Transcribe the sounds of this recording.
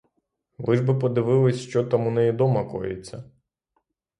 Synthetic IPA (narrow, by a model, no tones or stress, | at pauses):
lˠɪʒbɪpɔd̪ɪʋɪlˠɪsʲʃt͡ʃɔt̪amunɛjid̪ɔmɐkɔ̰jɪ̰t͡sʲːɐ